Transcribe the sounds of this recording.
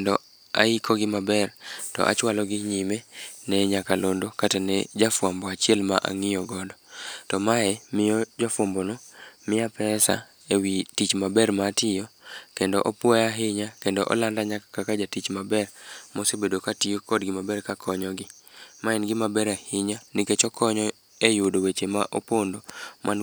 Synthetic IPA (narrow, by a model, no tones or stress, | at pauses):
ndɔ | a̰ikʰoɡɪmabɛrtɔ̰ʔa̰t͡ʃwalɔɡɪɲimenɛɲakalondokatanɛd͡ʒafwambɔat͡ʃɪɛlma̰ʔa̰ŋɪjɔɡɔdɔtɔmaɛmɪɔd͡ʒafwɔmbonɔmɪjapɛsa̰ | ewitit͡ʃmabɛrmatɪjɔkendɔ̰ʔopwɔjaɦɪɲakendɔʔɔ̰landaɲakakakad͡ʒatit͡ʃmabɛrmɔsebedokatɪjokɔdɡɪmabɛrkakʰɔɲɔɡɪmaɛnɡɪmabɛɾahɪɲaniket͡ʃɔkʰɔɲɔ | ejʊdowet͡ʃemaʔopondomʔan